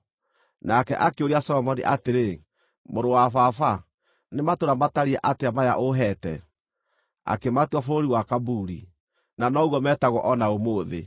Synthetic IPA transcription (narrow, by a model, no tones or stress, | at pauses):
nakɛ̰ʔakeoɾiasɔɾɔmɔniʔateɾe | moɾowafafa | nematoɾamataɾiɛʔateamaja̰ʔoɦɛtɛ̰ | a̰kematwafoɾoɾiwakabuɾi | nanɔɣwɔmɛtaɣwɔʔɔnaomoːðḛ